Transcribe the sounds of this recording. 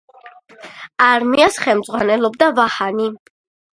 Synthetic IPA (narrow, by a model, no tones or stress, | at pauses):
aɾmiasχɛlmd̪zʼʁwanɛlˠɔb̚d̪avahani